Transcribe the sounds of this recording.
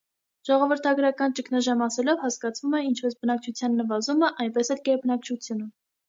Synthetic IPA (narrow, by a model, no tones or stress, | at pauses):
ʒ̥ɔʁɔvəɾt̪ʰɑɡɾɑkɑnt͡ʃəkʰnɑʒɑmɑsɛlɔvhɑskɑt͡sʰvumɛint͡ʃʰpɛsbənɑkt͡ʃʰut͡sʰjɑnːəvɑzuməʔɑjnpɛsɛlkɛɾpnɑk̚t͡ʃʰut͡sʰjunə